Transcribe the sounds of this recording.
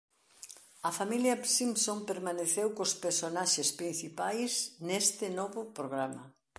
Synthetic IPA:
ɐfamiljɐsimsompeɾmaneθewkospeɾsonaʃespɾin̟θipajsnest̪ɪnɔβʊpɾoɣ̞ɾamɐ

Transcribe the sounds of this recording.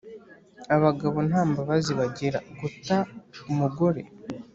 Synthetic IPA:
aβaɡaβo̞n̥aːmbaβaziβaɟe̞ɾa̰ɡutaumuɡo̞ɾe̞̰

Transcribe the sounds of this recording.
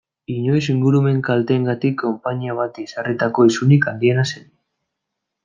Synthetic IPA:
iɲo̞js̬iŋɡuɾume̞ŋkalt̪eːŋɡat̪ikʰːo̞mpaɲiaβ̞at̪isarit̪ako̞isunikand̪ie̞nasen

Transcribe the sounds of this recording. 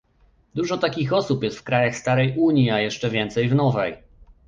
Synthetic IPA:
d̪uʐɔt̪akʲixɔsupjɛst̪fkɾajaxst̪aɾɛjʔuɲjiajɛʂt͡ʂɛvʲjɛnt̪sɛjvnɔvɛj

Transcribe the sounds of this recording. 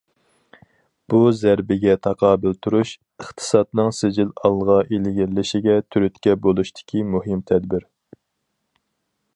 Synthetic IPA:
b̥uzæɾbɪɡʲɛt̪ʰɑqʰɑːbɪlt̪ʰuɾuʃ | əχt̪ʰɨ̥sɑt̪nɨŋsɪd͡ʒilɑlˠʁɑʔelɪɡʲɪllɪʃiɡʲɛt̪ʰyɾyt̪kʲɛbolˠuʃt̪ʰɪ̥kʲʰimuɦɪmt̪ʰɛd̪bɪɾ

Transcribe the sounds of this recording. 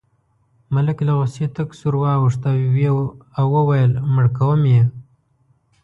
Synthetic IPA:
malɪklaɣoset̪aksuɾwɑːwuʂt̪aweawwəwajəlməɽkawəmje

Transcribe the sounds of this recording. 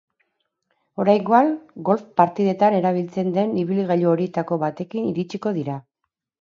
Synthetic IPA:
o̞ɾajŋɡoaŋɡo̞lfpaɾt̪ið̞e̞t̪ane̞ɾaβ̞ilt͡se̞nd̪e̞niβiliɣaʎuoɾiet̪ako̞βat̪e̞kiniɾit͡ʃiko̞ðiɾa

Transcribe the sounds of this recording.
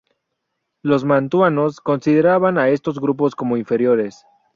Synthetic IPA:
lo̞zmãnt̪wano̞sko̞nsið̞e̞ɾaβanaest̪o̞zɣɾup̬o̞sko̞mo̞iɱfe̞ɾjo̞ɾes

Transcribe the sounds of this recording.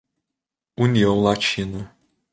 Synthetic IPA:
uniõwlat͡ʃĩnʊ

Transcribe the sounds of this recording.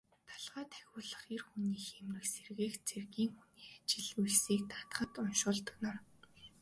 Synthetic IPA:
t̪ʰḁɮʁaːt̪ʰæ̥xʲʊːɮə̆χiːrxuniːxemrɘ̆kserɣeːxt͡sʰerɣiːŋxuniːxḁt͡ɕɪ̆ɮujɮsiːk̚t̪ḁt̪əχə̆t̪ʊnʃʊːɮt̪ɵnăr

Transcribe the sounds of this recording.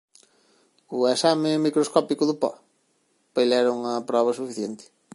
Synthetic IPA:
ʊesamɪmikɾoskɔpikʊðʊpɔ̰ | pejlɛɾʊŋɐpɾɔβ̞ɐsufiθjent̪ɪ̥

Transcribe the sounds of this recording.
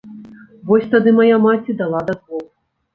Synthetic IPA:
vɔsʲt̪ad̪ɨmajamat͡sʲid̪alˠad̪ɐzvɔw

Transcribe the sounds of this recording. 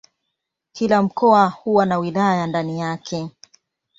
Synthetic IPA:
kilam̩kɔahuwanawilajandanijakʰɛ

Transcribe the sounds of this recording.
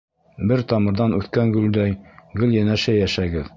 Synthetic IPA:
bɘɾt̪ɑmɤ̆ɾðɑnʉθkæŋɡʉld̪æjɡɵljænæʃæjæʃæɡɘð

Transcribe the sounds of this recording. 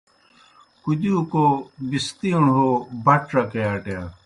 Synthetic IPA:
kud̪ijukobist̪iuɳɦobɐʈɾɐkejaːʈeja

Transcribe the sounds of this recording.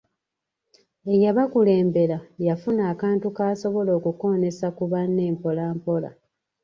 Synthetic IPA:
e̞jaβakule̞ːmbe̞ɾajafunaːkaːntukaːso̞βo̞lo̞ːkuko̞ːne̞sakuβanːe̞ːmpo̞laːmpo̞la̰

